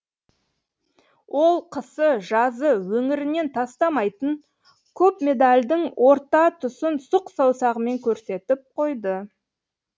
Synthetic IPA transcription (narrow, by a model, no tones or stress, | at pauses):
wʔo̞lˠqʰəsəʒɑzəwɵŋɪɾɪne̞nt̪ʰɑst̪ɑmɑjt̪əɴ | kʲʰɵpmʲe̞d̪alʲd̪ɪŋwʔo̞ɾt̪ɑt̪ʰʊsənsʊqsɑwsɑʁəme̞ŋkʲʰɵɾse̞t̪ɪp̚qʰo̞jd̪ə